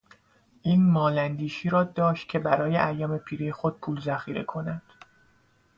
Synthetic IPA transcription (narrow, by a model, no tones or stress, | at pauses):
ʔiːnmɒːlænd̪iːʃiːɾɒːd̪ɒːʃt̪̚cʰe̞bæɾɒːjeʔæjɒːme̞pʰiːɾejexo̞d̪̥̚pʰuːlzæxiːɾe̞̰kʰo̞nænd̪̥